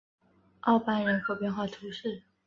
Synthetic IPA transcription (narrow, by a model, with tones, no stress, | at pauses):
ʔɑ˥˩ʊpa˥nɻə˧˥nxʰɤ˧˥ʊpjɛ˥˧nxwa˥˩t̪ʰu˧˥ʂɻ̩˥˩